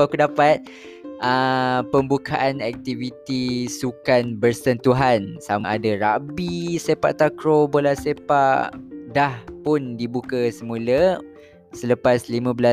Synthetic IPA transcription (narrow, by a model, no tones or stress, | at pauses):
akudapat̪̚ | ʔəpəmbukʰaʔanɛk̚t̪ivit̪isukanbərst̪ənt̪uɦansamaʔadaɾabisepa̰ʔt̪akɾobolahsepaʔdahpʊndibukəsəmũlə | sələpaslimãbəla